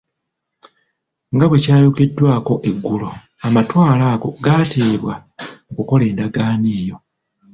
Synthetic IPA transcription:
ŋɡaβwe̞caːjoke̞dːwaːko̞ʔe̞ɡːulo̞ | amatwaːlaːɡo̞̰ɡaːteːβwaokuko̞le̞ːndaɡaːniːjo̞

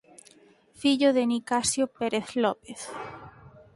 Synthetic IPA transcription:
fiʎoðenikasjopeɾeθlɔpeθ

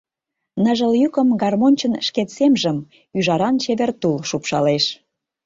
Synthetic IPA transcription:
nəʒə̆ljykə̆mɡɑrmonʲt͡ɕənʃket̪semʒəm | yʒɑɾɑnt͡ɕeβert̪ulʃupʃɑleʃ

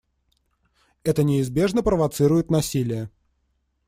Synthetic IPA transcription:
ɛt̪ənʲɪɪzbʲe̞ʐnəpɾəvɐt̪sɨɾʊjɪt̪nɐsʲilʲɪjə

